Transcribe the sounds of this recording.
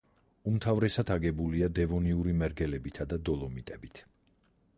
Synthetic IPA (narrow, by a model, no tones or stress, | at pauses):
umt̪ʰavɾɛsad̪ʰaɡɛbuliad̪ɛvɔniuɾimɛɾɡɛlɛbit̪ʰad̪ad̪ɔlˠɔmit̪ʼɛbit̪ʰ